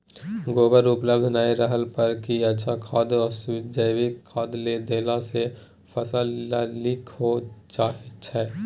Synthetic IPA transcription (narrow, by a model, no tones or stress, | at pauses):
ɡoːbəɾʊpləbd̪ʱnaːiɾəɦəlpɐɾkiɐtːʃʰakʰaːd̪ɔːɾsʊɪd͡ʒəjwikkʰaːd̪led̪eːlase | fʰəsəalɪkʰot͡ʃaːɦet͡ʃʰɛː